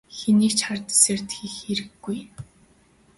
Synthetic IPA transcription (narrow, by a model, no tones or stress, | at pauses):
xeniːkt͡ɕχart̪e̥seːrt̪xiːxeɾɘ̆ɡːuj